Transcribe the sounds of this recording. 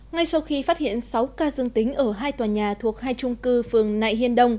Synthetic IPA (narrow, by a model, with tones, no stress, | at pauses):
ŋa˧jsa˧wxi˧fa˦˥t̚hḭ˧˨ənsa˨˦wkaː˧zɨ˧əŋt̪ï˨˦ŋ̟ʔəː˧˩ɦaː˧jt̪waː˨˩ɲaː˨˩t̪ʰu˨˩ək̚haː˧jt͡ɕʊ˧ŋ͡mkɨ˧fɨ˨˩əŋna̰ː˧˨jɦi˧ənɗə˧wŋ͡m